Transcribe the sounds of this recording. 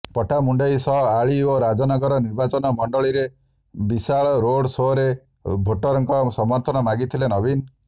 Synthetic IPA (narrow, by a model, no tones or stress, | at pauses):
pɔʈʰamuɳɖejsɔɦaɭioɾad͡ʒɔnɔɡɔɾɔniɾbat͡ʃɔnɔmɔɳɖɔɭiɾe | bisaɭɔɾoɽsoɾe | bʱoʈːɔɾɔŋkɔsɔmɔnt̪ʰɔnɔmaɡit̪ʰilenɔbin